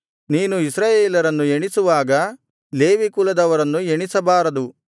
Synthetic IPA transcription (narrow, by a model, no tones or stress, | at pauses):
niːnuisɾaːjeːlɐɾɐnːueɳisuʋaːɡɐ | le̞ːʋiːkulɐd̪ɐʋɐɾɐnːueɳisɐbaːɾɐd̪u